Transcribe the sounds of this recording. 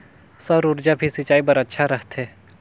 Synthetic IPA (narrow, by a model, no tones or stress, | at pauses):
sɐɾʊɾd͡ʒabʱisɪt͡ʃaːibɐɾɐtːʃʰaɾɐɦt̪eː